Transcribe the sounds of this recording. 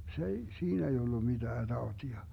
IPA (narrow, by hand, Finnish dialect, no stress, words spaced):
s ei siːn ei olːu mid̥æː d̥ɑotiɑ